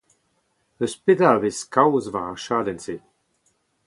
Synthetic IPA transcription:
əspɪd̪avɪskawzvaʃaːd̪ɛnsi

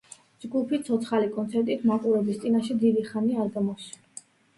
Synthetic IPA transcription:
d͡ʒɡupʰit̪sʰɔt̪sχalikʼɔnsʰɛɾt̪ʼit̪ʰmaqʼuɾɛbist̪sʼinaʃɛd̪id̪iχaniaɾɡamɔs

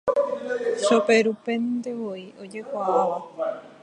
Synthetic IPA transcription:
ʃopeɾupe̞nd̪eʋoiod͡ʒekʷaaʋa

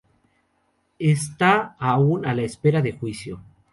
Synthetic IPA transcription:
est̪aːunalaespe̞ɾaðe̞xwisjo

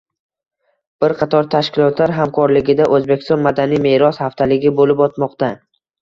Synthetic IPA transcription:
b̥ɪɾqʰɑt̪ʰɒɾt̪ʰaʃkʲɪlˠɒt̪ʰlaɾɦamkʰɒɾlɪɡʲɪd̪aʔɵzbekʲɪ̥st̪ɒnmad̪anijme̞ɾɒshaft̪ʰalɪɡʲɪbolɪpɒt̪mɒqt̪a

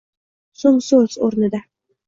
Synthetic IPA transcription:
soŋsɵz̥oɾnɪd̪a

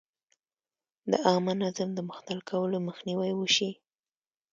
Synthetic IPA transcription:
d̪əʔɑmanazamd̪əmʊxt̪alkʰawəloməxniwajwəʃi

